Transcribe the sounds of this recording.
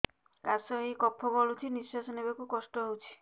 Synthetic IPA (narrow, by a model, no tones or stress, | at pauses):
kasɔɦejkɔpʰːɔbolut͡ʃʰinisːasɔnebekukɔsʈɔɦowt͡ʃʰi̥